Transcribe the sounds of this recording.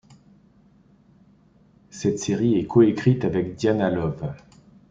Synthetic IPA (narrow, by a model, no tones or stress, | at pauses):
sɛt̪seʁiɛkʰɔekχit̪avɛk̚d̪janalɔv